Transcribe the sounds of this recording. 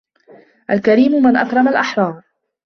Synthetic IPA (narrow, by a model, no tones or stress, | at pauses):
ʔalkaɾiːmʊmɪnʔakɾˤɑmalʔɑħɾˤɑːɾˤ